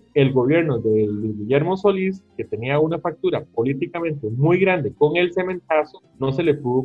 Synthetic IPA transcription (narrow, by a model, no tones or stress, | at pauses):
e̞lɡo̞βje̞ɾnoðeliɡiʎeɾmoso̞liske̞t̪e̞niaunafak̚t̪uɾapo̞lit̪ikamẽ̞nt̪emujɣɾand̪eko̞ŋe̞lse̞mẽ̞nt̪aso | no̞se̞lepuðo